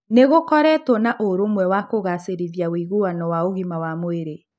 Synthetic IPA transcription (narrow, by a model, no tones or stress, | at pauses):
neɣokɔɾɛtwɔnaʔoɾomwɛwakoɣaseɾiðjawiiɣuwanɔwaoɣimawamoeɾe